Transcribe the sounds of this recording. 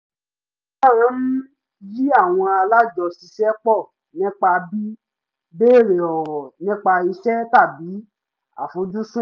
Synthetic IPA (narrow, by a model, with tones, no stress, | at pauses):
a˦˨ã˨˦m̩˦ | ji˦a˦˨w̃ɔ̃˧a˧la˦d͡ʒɔ˧si˧ʃɛ˦k͡pɔ˦˨ | nĩ˦k͡pa˧bi˦ | be˦e˦˨ɾe˨ɔ˨ɔ˨nĩ˦k͡pa˧i˧ʃɛ˦ta˦˨bi˨˦ | a̰˦˨fo˨˧dũ˦sũ˦